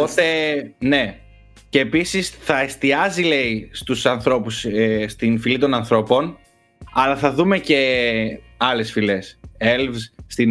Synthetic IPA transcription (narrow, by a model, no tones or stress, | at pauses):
osene̞ | ceːpisisθɐe̞st̪iɐzile̞ist̪usɐnθɾo̞pusest̪infilit̪onɐnθɾo̞po̞n | ɐlɐθɐðume̞ce̞ | ɐle̞sfileselvsːt̪in